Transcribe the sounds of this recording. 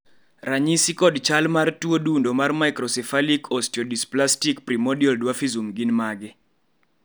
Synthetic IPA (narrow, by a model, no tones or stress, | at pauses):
raɲisikɔdt͡ʃalmartwodundomarmaɪkɾɔsɛfalikʰɔstiɔdisplastikprimɔdiɔldwafizumɡinmaɡɪ